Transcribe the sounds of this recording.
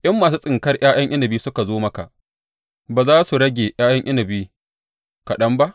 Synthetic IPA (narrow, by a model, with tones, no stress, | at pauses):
ʔɐ˦mːaː˨s̬uː˦sʼɪ˨ŋkɐ˦rjʔaː˦j̰ɐ˦ŋʔɪ˦nɐ˨biː˦sʊ˦ka˨zoː˦mɐ˦ka̰˨ʔ | baː˨zaː˦su˨ɽɐ˦ɡʲeː˨j̰aː˦jɐ˦ŋʔɪ˦nɐ˨biː˦ | kɐ˨ɗɐ˦mba˦ʔ